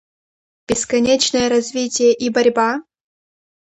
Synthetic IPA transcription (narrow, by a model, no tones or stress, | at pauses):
b̥ʲɪskɐnʲet͡ɕnəjəɾɐzʲvʲitʲɪjəʔibɐɾʲba